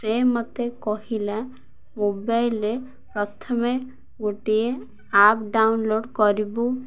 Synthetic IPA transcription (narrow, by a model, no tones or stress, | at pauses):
semɔt̪ekɔɦila | mobajlɾe | pɾɔt̪ʰɔme | ɡoʈie | apɖawnloɖkɔɾibu